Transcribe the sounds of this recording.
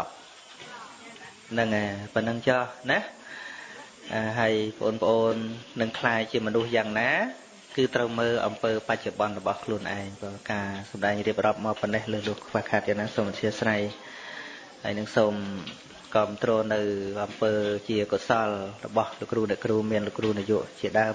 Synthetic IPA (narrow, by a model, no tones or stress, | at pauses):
p̚ | nɨŋʔapənɨŋt͡ɕɑhna | ʔaːɦaəjpʰəʔoːnpə̆ʔoːnːɨŋkʰlaːjt͡ɕiəmɔnuhjaːŋnaː | kɨːt̪rəwməːlʔɑ̰mpəːpac̚t͡ɕoɓɑnrɔɓɑhkʰluənʔa̰ɛŋpɔːkaːsɑmɗaɛŋriəp̚rŏəp̚maːpːɑnːehləːlʊəhkʰʋaːhkʰaːt̪̚jaːŋnaːsoːmt̪ʰiəsraj | haəjnɨŋsoːm | kɑːmt̪rɔːnɨwʔɑmpəːt͡ɕiəkosɑlrɔ̰ɓɑhloʔkːruːnɛ̆ʔkruːmiənlokruːnijuəʔt͡ɕiəɗaəm